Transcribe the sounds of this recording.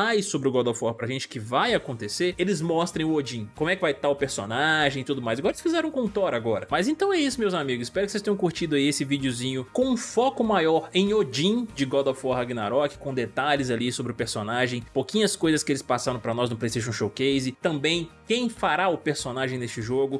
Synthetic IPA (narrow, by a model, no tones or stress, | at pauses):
ajsobɾɪʊɡɔd̪ofɔɾpɾɐʒẽnt͡ʃɪ̥kɪvajakõnt̪eseɾelɪzmɔst̪ɾẽj̃ʊod͡ʒĩkõmʊɛkɪvajt̪aʊpeɾso̰naʒẽɪt̪ud̪ʊmajzaɡɔɾelɪsfizɛɾɐ̃kõnt̪ɔɾaɡɔɾɐmɐzẽnt̪ɐ̃w̃ɛisʊmewzamiɡʊzɪ̥spɛɾʊkɪsest̪ẽɲ̃j̃koɾt͡ʃid̪ʊaiesɪvid͡ʒɪʊzĩɲʊkõũfɔkʊmajɔɾẽj̃od͡ʒĩd͡ʒɪɡɔd̪ofɔɾaɡinaɾɔkɪ̥kõd̪et̪aʎɪzalisobɾɪʊpeɾsonaʒẽj̃powkĩɲɐskojzɐskɪelɪspasaɾɐ̃w̃pɾɐnɔznʊplejst̪ejʃ̬õʃowkejzɪt̪ɐ̃mbẽj̃kẽj̃faɾaʊpeɾsonaʒẽj̃nest͡ʃɪʒoɡʊ